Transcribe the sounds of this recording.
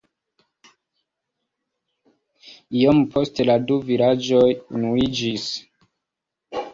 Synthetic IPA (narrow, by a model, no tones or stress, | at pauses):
ijompʰo̞steladuvilad͡ʒojunuid͡ʒis